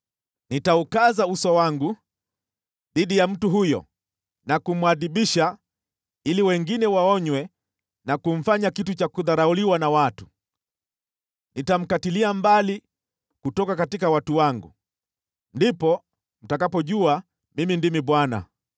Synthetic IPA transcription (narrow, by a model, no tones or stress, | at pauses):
nitaukazausɔwaŋɡu | ðiɗijam̩tuɦujɔ̰ | nakum̩aðiɓiʃa | iliwɛŋɡinɛwaɔɲwɛ | nakum̩faɲakitut͡ʃakuðaɾauliwanawatu̥ | nitam̩katiliambali | kutɔkakatikawatuwaŋɡṵ | ndipɔ | m̩takapɔʄua | mimindimiɓwana̰